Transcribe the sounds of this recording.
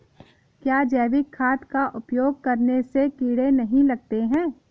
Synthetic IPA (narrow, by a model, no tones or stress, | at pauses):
kjaːd͡ʒɛːʋɪkʰːaːt̪kaʔʊpjoːɡ̚kɐɾnesekiːɽenɐɦĩlɐɡ̚t̪eɦɛ̃ː